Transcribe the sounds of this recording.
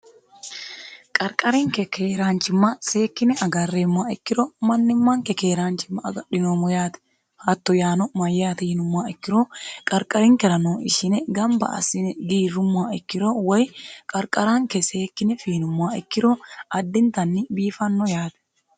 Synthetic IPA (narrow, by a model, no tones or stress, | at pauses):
kʼɐɾkʼɐɾɪŋkɛkʰeːɾaːnt͡ʃːɪmːɐse̞ːkːɪnɛɐɡɐrːeːmːaːɪkːɪɾɔmɐnːɪmːɐŋkɛke̞ːɾaːnt͡ʃɪmːɐɐɡɐᶑɪjoːmɔjaːt̪ɛ̥ | hɐt̪ːɔjaːnɔmɐjːaːt̪ɛjɪnʊmːaːɪkːɪɾokʼɐɾkʼɐɾɪŋkɛɾɐnoːʔɪ̰ʃɪnɛɡɐmbɐ̰ʔɐ̰sɪnɛɡiːrːʊmːʊaːɪkːɪɾowɔjkʼɐɾkʼɐɾaŋkɛseːkːɪnɛfiːnʊmːaːɪkːɪɾoːɐd̪ːɪnt̪ɐnːɪbiːfɐnːɔjaːt̪ɛ̥